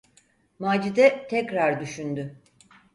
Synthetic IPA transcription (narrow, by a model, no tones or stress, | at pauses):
maːd͡ʒid̪ɛt̪ʰɛkɾaɾd̪yʃynd̪y